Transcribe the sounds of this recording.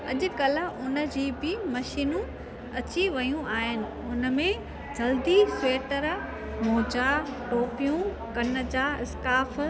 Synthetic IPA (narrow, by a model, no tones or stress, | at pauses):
ɐ̰ʄʊ̆kɐlə̆ʊnə̆d͡ʑiːbɪmɐʃiːnũ | ɐt͡ɕiʋɐjũaːɦɪnɪ̆ | ʊnə̆mẽ | d͡ʑɐld̪iseːʈəɾ | moːd͡ʑaʈoːpijũ | kɐnə̆d͡ʑaːɪskaːf